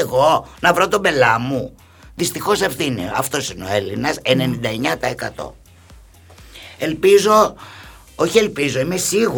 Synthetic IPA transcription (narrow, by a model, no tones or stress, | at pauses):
ɣo̞nɐvɾo̞t̪obe̞lɐmu | ðist̪ixo̞sefθinḭɐft̪o̞sineo̞e̞linɐsene̞nind̪ɐeɲɐt̪ɐe̞kɐ̰t̪o̞̰ | e̞lpizo̞ | oçie̞lpizo̞imesiɣu